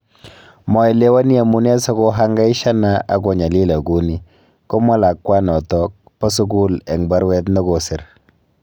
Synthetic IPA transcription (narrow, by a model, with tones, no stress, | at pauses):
mɔ˨i˨le˦wa˦ni˦a˨mu˦nɛ˦sɔ˦ko˦ɦa˦ŋɡa˦ɪ˦ʃa˦na˦a˨ɡo˨ɲa˨li˦la˨ɡu˦ni˦ | ko˦ma˦la˨kːwa˦nɔ˨tɔ˦k̚pɔ˦s̬u˦ɡu˦lɛ˨ŋba˦ɾwɛ˦t̪nɔ˦ɡo˨sɪ˨ɾ